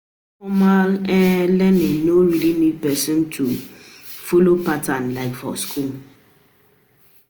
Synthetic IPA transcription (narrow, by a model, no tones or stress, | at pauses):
fɔmalɛlɛninoɹilinid̚pɛsɔ̃ntʰu | folopatãnlaɪkfɔ̰skʰul